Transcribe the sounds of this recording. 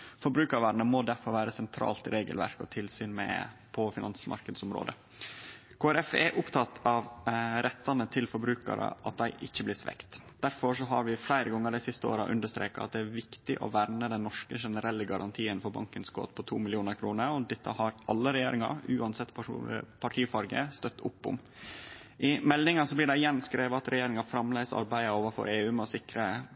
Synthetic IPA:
fɔɾbɾʉːkɑɾʋɑɾɳəmɔd̪æɾfɔɾʋæːɾəsɛnt̪ʰɾɑ̰ːlt̪ɪɾeːɡəlʋæ̰ɾkɔ̰t̪ʰɪlsyːnmɛ̰pʰɔfɪnɑnsmʔɑ̰ɾkəd̪sʊmɾo̰ːd̪ə | kʰoːæɾɛfɛ̰ɾʔʊpt̪ʰɑt̪ːɑʋɾɛt̪ːɑnət̪ʰɪlfɔɾbɾʉːkɑ̰ɾə̰ʔɑt̪̚d̪æɪʔɪçːəblɪsʋɛ̰kt̪d̪̥æɾfɔʂɔɦɑɾʋɪflæɪɾəɡɑŋːəɾɖ̪æɪsɪst̪əo̰ːɾɑ̰ʔʉ̰nd̪əʂt̪ɾḛːkɑɑt̪̚d̪ɛæɾʋɪkt̪ɪʔɔ̰ʋæɾnəd̪ɛnnːɔʂkəʂɛnəɾɛlːəɡɑɾʔɑ̰nt̪ʰiːənfɔɾbɑ̰ŋkənskʰo̰ːt̪pʰɔt̪ʰṵːmɪlɪuːnəɾkʰɾuːnəɾɔd̪ɛt̪ːəhɑɾʔɑlːəɾɛjeːɾɪŋɑ̰ɾʉːɑnsɛt̪ːppʰɑʈʰiːfɑɾɡə̰st̪œt̪ːʊ̰pːʊ̰m | ʔɪmɛlnɪŋɑsɔblɪɖɛɪjɛnːskɾeːʋəɑt̪ɾɛjeːɾɪŋɑfɾɑmlæɪsɑ̰ɾbæɪəoːʋɑfɔ̰ɾeːʉːmɛɔsɪkɾə

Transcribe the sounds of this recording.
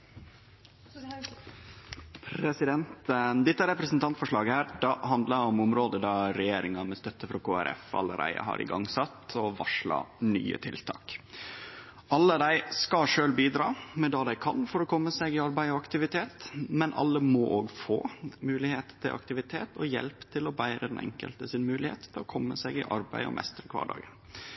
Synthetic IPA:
pʰɾɛsɪd̪ɛnt̪d̪ɪt̪ːəæɾɛpɾəsnt̪ʰɑnt̪fɔʂɭɑːɡəhæːɾd̪ɑɦɑnd̪lɑɔmʊmɾoːd̪əd̪ɑɾɛjeːɾɪŋɑmɛst̪œt̪ːəfɾɑkʰoːæ̰ɾʔɛ̰fɑ̰lːəɾæ̰ɪə̰hɑ̰ɾʔɪ̰ɡɑ̰ŋsɑt̪ɔʋɑʂɭɑ̰ny̰ːə̰t̪ʰɪlt̪ʰɑ̰ːk | ʔɑlːəd̪æɪskɑʂøːlbiːd̪ɾɑːmɛd̪ɑːd̪æɪkʰɑnfɔɾɔkʰɔmːəsɛɡɪɑɾbæɪɔɑkt̪ɪʋɪt̪ʰeːt̪mɛnʔɑ̰lːəmɔʔoːɡfoːmʉːlɪheːt̪t̪ʰɪlʔɑ̰kt̪ɪʋɪt̪ʰeːt̪ɔjɛ̰lpt̪ʰɪlɔbæɪɾəd̪ɛnɛ̰ŋkə̰lt̪əsɪnmʉːlɪhḛːt̪ʰːɪlɔkʰɔmːəsɛɡɪ̰ʔɑɾbæɪɔ̰mʔɛ̰st̪ɾəkʰʋɑ̰ːɖɑ̰ːɡən

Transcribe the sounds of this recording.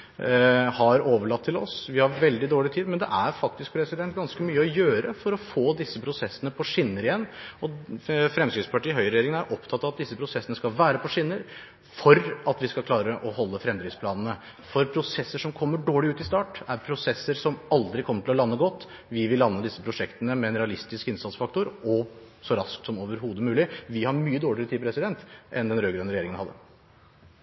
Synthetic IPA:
hɑɾoːʋəɭɑt̪ʰːɪlɔ̰sʋɪhɑɾʋɛld̪ɪd̪oːɭɪt̪ʰiːd̪mɛnd̪ɛ̰ʔæɾfɑk̚t̪ɪsk̚pʰɾɛsɪd̪ɛnt̪ɡɑnskəmyːəɔjøːɾəfɔɾɔfoːd̪ɪsːəpʰɾʊsɛsːənəpʰɔʂɪnːəɾɪjɛnːɔfɾɛmskɾɪt̪spʰɑʈiːɦœʏɾɛjeːɾɪŋənæɾʔɔpt̪ʰɑt̪ːɑːʋɑt̪d̪ɪsːəpʰɾʊsɛsːənəskɑʋæːɾəpʰɔʂɪnːəɾ | fɔɾɑt̪ʋɪskɑlkʰlɑːɾəʔɔhɔlːəfɾɛmd̪ɾɪspʰlɑːnn̩ə | fɔɾpʰɾʊsɛsːəʂɔmkʰɔmːəɖoːɭɪʉːt̪ɪst̪ɑːʈæɾpʰɾʊsɛsːəɾsɔmɑld̪ɾɪkʰɔmːəʈʰɪlɔlɑnːəɡɔt̪ː | ʋɪʋɪlːɑnːəd̪ɪsːəpʰɾʊʂɛkt̪ənəmɛːnɾɛɑlɪst̪ɪskɪnsɑt̪sfɑk̚t̪ʊɾɔ | sɔɾɑsk̚t̪sɔmoːʋəɾɦuːd̪əmʉːlɪʋɪhɑɾmyːəd̪oːɭɪɾət̪iːpɾɛsɪd̪ɛnt̪ʔɛnd̪ɛnɾøːɡɾœnəɾɛjeːɾɪŋənhɑd̪ːə̰

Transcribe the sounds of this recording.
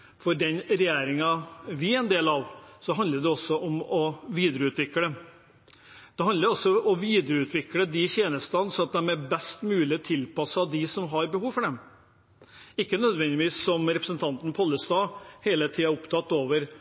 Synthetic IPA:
fɔɖɛnɾɛjeːɾɪŋɑʋɪæɪnd̪eːlɑʋsɔɦɑnd̪əɖ̪ɛɔsːɔʔɔmɔʋiːd̪ɾəʉːt̪ʋɪkːəd̪ɛm | d̪̥ɛɦɑnd̪əɾɔsːɔɔʋiːd̪əɾəʉːt̪ʰʋɪkləd̪ɪçeːnəst̪ɑnsɔɑt̪̚d̪ɛmɛbɛst̪mʉːlɪt̪ʰɪlpɑsɑd̪ɪsɔmɦɑɾbəhuːʋfɔɖɛm | ɪkːənœd̪ʋɛnd̪ɪʋiːsːɔmɾɛpɾəsənt̪ʰɑnt̪npʰɔlːəst̪ɑːheːlət̪ʰiːɑʊpt̪ʰɑt̪ːoːʋəɾ

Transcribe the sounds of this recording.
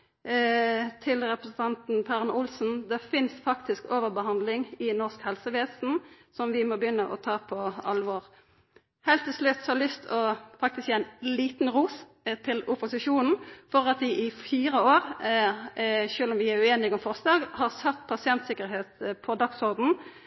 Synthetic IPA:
t̪ʰɪlʁɛpɾəsn̩t̪ʰɑnt̪n̩pʰæʁnʔʊlsn̩d̪ɛfɪnsfɑkt̪ɪskoːʋəʁbəhɑnd̪lɪŋɪnɔʁskhɛlsəʋeːsn̩ | sɔmʋɪmɔbəjʏnːəʔɔ̰t̪ʰɑːpʰɔɑlʋɔʁ | heːlt̪ʰːɪlslʉt̪sɔhɑʁlʏst̪ʰɔfɑk̚t̪ɪskjæɪnliːt̪n̩ʁuːs | t̪ʰɪlʊpʊsɪʂuːnn̩fɔʁɑt̪ʋɪʔɪfiːɾəoːʁ | ʃʉːlɔmʋɪæʉeːnɪɡɔmfɔʁsd̪ɑːɡhɑʁsœt̪ːpʰɑsɪɛnt̪sɪkəɾɦeːt̪pʰɔd̪ɑksɔʁd̪n̩

